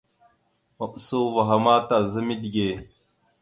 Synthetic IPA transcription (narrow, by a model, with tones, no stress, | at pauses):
ma˨ɓso˦va˨ɦa˨ma˦ta˨zə˦mi˦di˨ɡe˨